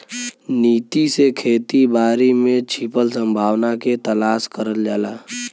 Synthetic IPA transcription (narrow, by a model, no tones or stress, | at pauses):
niːt̪isekʰeːt̪ibaːɾimẽt͡ʃʰipəlsə̃mbʱaːwnaket̪əlaːskəɾəld͡ʒaːlaː